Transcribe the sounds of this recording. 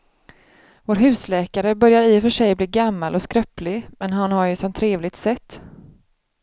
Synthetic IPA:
voːɾɦʉ̟ːslɛːkaɾəbœɾjaɾɪfœʂɛjbliːɡamːalɔskɾœplɪmɛnɦanhaɾjɵsɔmt̪ʰɾeːvlɪɡ̚t̪sɛt̪ː

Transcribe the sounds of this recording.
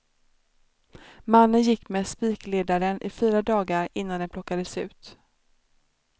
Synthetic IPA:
manːənjɪkːmespiːkleːd̪aɾənʔɪfyːɾad̪ɑːɡaɾɪnːand̪ɛnpʰlɔkːad̪əsʉ̟̰ːt̪

